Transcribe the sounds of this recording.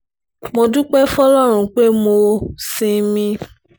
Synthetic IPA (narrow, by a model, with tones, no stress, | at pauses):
mo˧du˦k͡pɛ˦fɔ˦lɔ˦˨ɾ̃ũ˨k͡pe˦mo˨˧sĩ˦mĩ˦